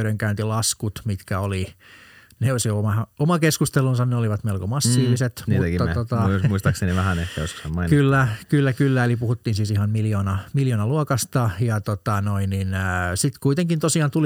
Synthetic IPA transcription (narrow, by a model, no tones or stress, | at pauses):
ɾeŋkæynt̪ilɑskut̪mit̪kæoli | neosijoomɑɑomɑkeskust̪elːˑunsɑnneoliʋɑt̪melkomɑsːiːʋiset̪nmiːt̪ækit̪ːɑot̪ɑosmuist̪ɑkseniʋæhænet̪ːæjosko̥sɑmmɑinkylːækylːækylːæelipuhut̪ːiːnsiːsihɑmmiljoːnɑmiljoːnɑluokɑst̪ɑjɑt̪ot̪ɑnoinninsit̪kuit̪eŋkint̪osiɑːnt̪uli